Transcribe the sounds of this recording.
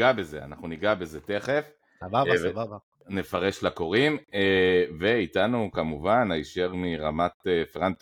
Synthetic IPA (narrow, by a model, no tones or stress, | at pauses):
abe̞zea̰naχnuniɡabe̞ze̞te̞χe̞f | ne̞faʁe̞ʃlako̞ʁimeve̞itanukamuvanajiʃeʁmiʁamat̪efeʁant̪